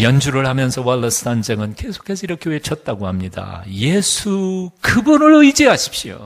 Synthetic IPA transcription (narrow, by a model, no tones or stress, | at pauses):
jʌnd͡ʑuɾɯɭhamjʌnsʰʌwalːʌs͈ʰtʰand͡ʑeŋɯnke̞sʰo̥kʰe̞sʰʌiɾʌkʰjeet͡ɕʰʌt̚t͈aɡohamɲida̰jesʰukɯbunɯɭoid͡ʑeɦaɕʰi̥p̚ɕio̰